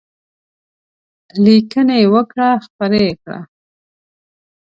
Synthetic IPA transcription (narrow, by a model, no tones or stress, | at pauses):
likənajewəkɽaxpəɾekɽa̰